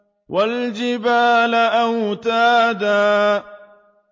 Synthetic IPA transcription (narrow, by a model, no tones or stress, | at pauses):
wʔald͡ʒɪbaːlaʔawt̪aːd̪aː